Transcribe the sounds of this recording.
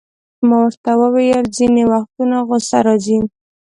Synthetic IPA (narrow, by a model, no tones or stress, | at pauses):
mowəɾt̪awəwejəlzinewaxt̪unaɣosaɾɑzi